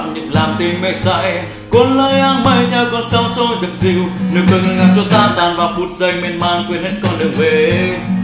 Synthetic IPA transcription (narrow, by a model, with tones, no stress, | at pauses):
t̚ɲi˨˩p̚laː˨˩mt̪i˧nmḛ˧˨sa̰˧˥j | ko˨˧˦ənləː˧jʔaː˧ŋɓə˧˩jɲə˧˩wkɔ˧˩nsə˧wŋ͡mso˧zɨ̰˨˩p̚zḭ˧˨wnɨ˨˩k̚ɨ˧ŋ˧ŋa˧˩t͡ɕɔ˧t̪aː˧˩nt̪aː˨˩nvaː˨˩fu˨˩t̚zə˧˩jmi˧ənmaː˧˨nkwi˧ənhe˦˥t̚kɔ˧nɗɨ˨˩ək̚ve˨˩